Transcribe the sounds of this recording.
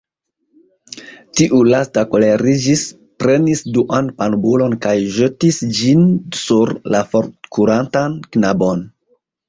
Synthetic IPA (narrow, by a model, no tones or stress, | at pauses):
tiʔulastako̞leɾid͡ʒis | pɾe̞nisduʔanpanbulo̞nkajʒetisd͡ʒinsuɾlafoɾkuɾantanknabo̞n